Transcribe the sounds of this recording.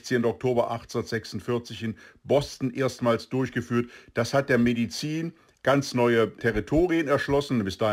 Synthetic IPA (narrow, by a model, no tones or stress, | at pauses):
t͡seːndɔk̚tʰoːbɐʔaχtːndɐtz̥ɛksʊn̩tfɪɐt͡sɪçɪnbɔstn̩ʔeːɐstmaːlsd̥ʊɐçɡ̥əfyːɐtd̥ashat̚d̥eːɐmedit͡siːn | ɡ̥ant͡snɔʏətʰɛʁitʰoːʁiənɛɐʃlɔsn̩bɪsd̥aː